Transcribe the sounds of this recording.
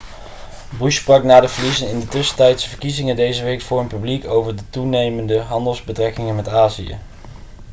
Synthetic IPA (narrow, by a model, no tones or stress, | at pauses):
bryssprɑknaːdəvəlizənɪndətɵsə̥tɛjtsvəɹkizɪŋədejzəʋejkfʊːɹənpyblikowvəɹdətunejməndəɦɑndəlˠzbətrɛkɪŋənmɛtaːzijə̰